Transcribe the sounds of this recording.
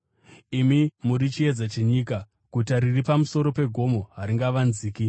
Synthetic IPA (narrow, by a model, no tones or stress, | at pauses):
imimuɾit͡ʃie̞d͡zat͡ʃeɲika | kutaɾiripamuso̞ɾo̞pe̞ɡʱo̞mo̞ɦaɾiŋɡaʋanziːki